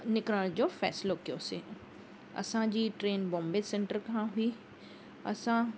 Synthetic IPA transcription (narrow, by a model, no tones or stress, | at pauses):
nɪkɾəɭd͡ʒoːfɛ̰ːsloːkjose | ɐ̰sãd͡ʒiːʈɾeːnbɔ̃ːmbesẽɳʈəɾkɦãɦʊi | ɐ̰sã